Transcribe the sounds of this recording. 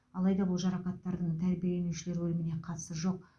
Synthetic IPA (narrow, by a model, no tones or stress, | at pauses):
ɑlˠɑjd̪ɑbʊlˠʒɑɾɑqɑt̪ːɑɾd̪əɴt̪ʰæɾbijelenuʃɪle̞ɾɪwɵlɪmɪne̞qʰɑt̪ə̥səʒo̞q